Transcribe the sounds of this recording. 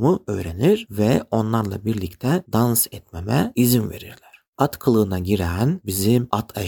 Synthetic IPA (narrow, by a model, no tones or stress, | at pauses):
muø̞̰jɾeniɾvɛo̞nlˠaɾlˠa̰biɾlʲic̚t̪ʰɛd̪ansɛt̪memɛizimve̞̰ɾiɾlʲæɾ̥at̪kʰɯlˠɯːnaɟiɾænbizimat̪ʰa